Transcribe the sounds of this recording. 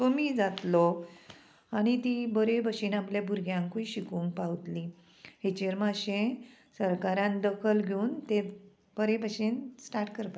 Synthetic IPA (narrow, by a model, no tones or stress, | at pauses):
t̪omiːd͡zat̪lɔ | añit̪ibəɾebəɕiːnapljabʱuɾɡʱjãŋkuiɕikuŋkpawt̪li | het͡ɕeɾmaɕẽ | səɾkaɾãnd̪əkʰəlɡʱeuːnt̪e | b̥əɾebʱəɕiːnsʈaɾʈkəɾpa